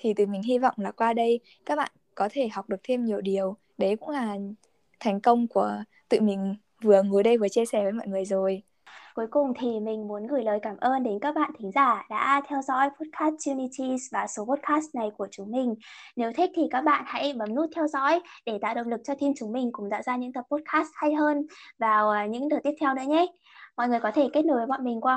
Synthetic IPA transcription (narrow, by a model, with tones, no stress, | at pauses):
t̪ʰi˨˩t̪ɨ̰˧˨˩mï˨˩ŋ̟ɦi˧vɔ̰˧˨wŋ͡mlaː˨˩kwaː˧ɗə˧j | kaː˦˥k̚ɓa̰ː˧˨nkɔ˨˦t̪ʰe˧˩ɦa˨˩wk͡p̚ɗɨ˨˩ək̚t̪ʰe˧mɲi˨˩əwɗi˨˩əw | ɗe˨˦kʊ̰˧˥ŋ͡mlaː˨˩ | t̪ʰɛ˨˩jŋ̟kə˧wŋ͡mku˧˩ə | t̪ɨ̰˧˨mï˨˩ŋ̟ | vɨ˨˩əŋu˨˦jɗə˧jvɨ˨˩ət͡ɕi˧sɛ˧˩vəː˨˦jmɔ̰˧˨jŋɨ˨˩əjzo˨˩j | ku˨˦jkʊ˨˩ŋ͡mt̪ʰi˨˩mï˨˩ŋ̟mu˨˦ənɣɨ˧˩jləː˨˩jkaː˧˩mʔəː˧nɗe˨˦nkaː˦˥k̚ɓa̰ː˧˨nt̪ʰï˨˦ŋ̟zaː˧˩ɗa̰ː˧˥t̪ʰɛ˧wzɔ̰˧˥jpo˦˥t̚kʰaː˦˥s̚t͡ɕu˧ni˧t͡ɕi˧svaː˨˩so˨˦po˦˥t̚kaː˦˥st̚na˨˩jku˧˩ət͡ɕʊ˨˦ŋ͡mmï˨˩ŋ̟ne˨˦wt̪ʰï˦˥k̚t̪ʰi˨˩kaː˦˥k̚ɓa̰ː˧˨nha̰˧˥jɓə˨˦mnu˦˥t̚t̪ʰɛ˧wzɔ̰˧˥jɗe˧˩t̪a̰ː˧˨wɗə̰˧˨wŋ͡mlɨ˨˩k̚t͡ɕɔ˧t̪ʰi˧nt͡ɕʊ˨˦ŋ͡mmï˨˩ŋ̟kʊ̰˧˥ŋ͡mt̪a̰ː˧˨wzaː˧ɲɨ̰˧˥ŋt̪ə˨˩p̚ːo˦˥t̚kaː˦˥st̚ha˧jɦəː˧nvaː˨˩wɲɨ̰˧˥ŋɗəː˨˩t̪i˦˥əp̚t̪ʰwnɨ̰˧˥əɲɛ˦ | mɔ̰˧˨jŋɨ˨˩əjkɔ˨˦t̪ʰe˧˩ke˦˥t̚no˨˦jvə˨˦mɔ̰˧˨jmï˨˩ŋ̟kwaː˧